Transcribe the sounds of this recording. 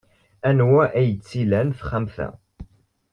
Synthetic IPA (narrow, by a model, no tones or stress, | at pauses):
ænwæʔæjət͡sːilænfχæmθæ̰